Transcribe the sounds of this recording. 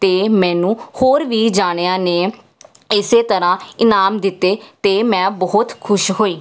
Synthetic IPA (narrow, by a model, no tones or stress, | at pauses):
t̪eːmɛ̃ːnũːhoːɾʋiːd͡ʒaːɽ̃eːaːneː | ɪseːt̪əɾãːɪnaːmd̪ɪt̪ːeːt̪eːmɛ̃ːbɔːt̪kʰʊʃɦoːiː